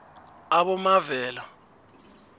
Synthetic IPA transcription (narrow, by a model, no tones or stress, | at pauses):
aɓɔmavɛːla